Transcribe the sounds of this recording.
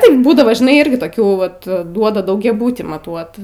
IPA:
ˈtɐɪp ˈbuːdɐʋoː ʒʲɪˈnɐɪ ˈɪrʲɡʲɪ toːˈkʲuː ˈʋɐt ˈduɔdɐ dɐʊɡʲɛˈbʊtʲiː mɐˈtuɔt

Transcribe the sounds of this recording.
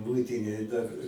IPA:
ˈmʊɪtʲɪnʲeːj dɐr

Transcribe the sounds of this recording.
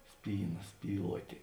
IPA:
ˈsʲpʲiːˌnɐ ˈsʲpʲiːlˠuɔtʲeː

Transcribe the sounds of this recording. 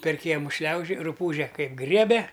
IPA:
pʲɛr ˈkʲiɛmʊ ˈʃʲlʲɛʊʒʲoːj rʊˈpuːʒʲɛ ˈkɐɪp ˈɡrʲiɛbʲɛ

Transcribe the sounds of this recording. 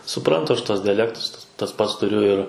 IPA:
sʊˈprɐntʊ ˈɐʃ ˈtuɔs dʲɪjɛˈlʲæːktʊs tɐs ˈpɐts tʊˈrʲʊ ɪr

